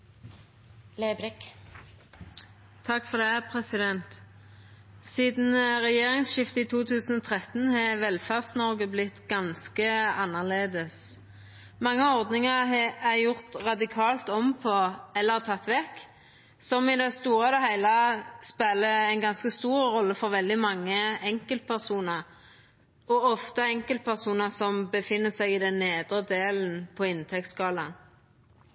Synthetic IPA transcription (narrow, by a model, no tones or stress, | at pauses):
leːbɾk | t̪ʰɑkfɔʁd̪ɛpʰʁɛsɪd̪ɛnt̪ | siːd̪n̩ʁɛjeːʁɪŋsʃɪft̪əiːt̪ʰuːt̪ʰʉːsən̩ɔt̪ʰʁɛt̪n̩hɑʋɛlfæʁsnɔʁɡəblɪt̪ɡɑnskəɑnːəʁleːd̪əs | mɑŋːəɔʁd̪nɪŋəʁæjʊʁt̪ʁɑd̪ɪkʰɑːlt̪ɔmpʰɔɛlːəʁt̪ʰɑt̪ːʋɛk | sɔmɪd̪ɛst̪uːʁəd̪ɛɦæɪləspeːləæɪnɡɑnskəst̪uːʁːɔlːəfɔʁʋɛld̪ɪmɑŋːəɛŋkəlt̪̚pʰæʁsuːnəʁ | ɔɔft̪əɛŋkəlt̪̚pʰæʁsuːnəʁsɔmbəfɪnːəsæɡɪd̪ɛnːeːd̪ʁəd̪eːln̩pʰɔɪnt̪ʰɛk̚t̪skɑːlɑn